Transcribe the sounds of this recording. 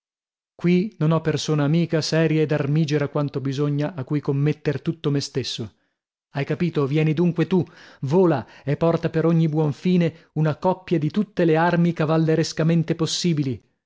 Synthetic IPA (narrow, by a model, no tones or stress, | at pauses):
kwinonɔpːersoːnaːmiːkasɛːɾjaed̪armiːd͡ʒeɾakwant̪obizoɲːaʔakːujkomːet̪ːert̪ut̪ːomest̪esːo | ajkapiːt̪ovjɛːnid̪uŋkwet̪uvoːlaepːɔrt̪apeɾoɲːibwɔɱfiːne | unakɔpːjad̪it̪ut̪ːelearmikavalːeɾeskament̪eposːiːbili